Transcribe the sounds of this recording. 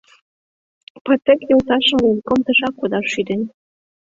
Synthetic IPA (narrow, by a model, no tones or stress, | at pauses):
pɑt̪ekjolt̪ɑʃə̆mlunkomt̪ə̆ʃɑkːod̪ɑʃːyd̪ɘ̆nʲ